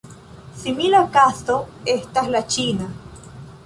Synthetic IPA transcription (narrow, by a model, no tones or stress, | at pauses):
similakast̪oest̪aslat͡ʃina